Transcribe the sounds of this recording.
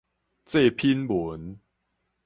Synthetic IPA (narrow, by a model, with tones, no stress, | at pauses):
t͡se˥˧pʰi˦nbu˨˦n